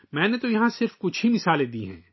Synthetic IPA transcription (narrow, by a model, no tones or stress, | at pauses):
mɛ̃ːnet̪ojɐɦãsɪɾfkʊt͡ʃʰɦimɪsaːlẽd̪iːɦɛ̰̃ː